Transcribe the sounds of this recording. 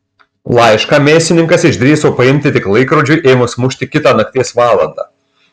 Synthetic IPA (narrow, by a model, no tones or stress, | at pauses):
lˠɑɪʃkɑːmʲeːst̪ʲɪnʲɪŋkɐsɪʒʲd̪ʲɾʲiːsoːpɐɪmʲt̪ʲɪt̪ʲɪklˠɐɪkɾɔd͡ʒʲʊɪʔeːmʊsmʊʃʲt̪ʲɪkʲɪt̪ɑːnɐk̚t̪ʲiɛsʋɑːlˠɐ̰nd̪ɑ̰ː